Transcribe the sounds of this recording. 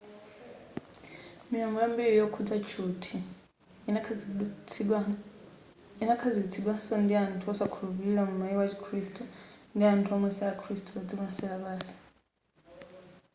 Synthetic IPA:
mijɔŋɡɔjambiɺijɔkʰud͡zat͡ʃʰutʰi | inakʰazikit͡sʰiɗwansɔndiantʰuɔsakʰuluβiiɺamumaiwat͡ʃʰikʰɾistʰʼundiantʰuɔmɛsɛakʰɾistuβad͡zikunasɛɺaβaːsi̥

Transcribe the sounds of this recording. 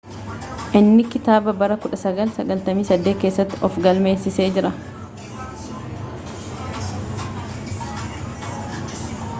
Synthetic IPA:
ʔɪnːɪkɪt̪aːbɐbɐɾɐkʊᶑɐsɐɡɐlsɐɡɐlt̪ɐmiːsɐd̪ːeːke̞ːsːɐt̪ːɪɔfɡɐlme̞ːsɪse̞ːd͡ʒɪɾɐ

